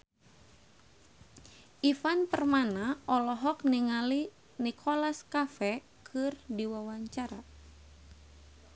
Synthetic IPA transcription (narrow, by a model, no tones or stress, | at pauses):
ʔifanpərmanaʔɔlɔɦɔk̚niŋali | nikʰɔlaskafɛ | kʰɨrdiwawaɲt͡ʃaɾa